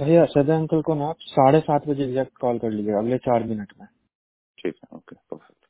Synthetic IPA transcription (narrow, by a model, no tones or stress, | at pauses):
ɾəɦjasɐd̪eɐ̃ŋkəlkonɔːksaːɽesaːt̪ʰbɐd͡ʒeːɡzɛːk̚ʈ̚kɔːlkɐɾlid͡ʒeɐɡlet͡ʃaːɾmɪnəʈmẽ | ʈʰḭːkɛo̰ːkepɐɾfɛ̥k̚t